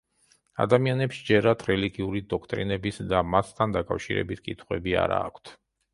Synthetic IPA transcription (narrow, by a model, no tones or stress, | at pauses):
a̰d̪amianɛpʃd͡ʒɛɾat̪ʰɾɛliɡiuɾid̪ɔkʰt̪ʼɾinɛbisd̪amast̪ʰand̪akʼafʃiɾɛ̰bit̪̚ʰkʼit̪ʰχwɛbia̰ɾa̰ːkʷʰt̪ʰ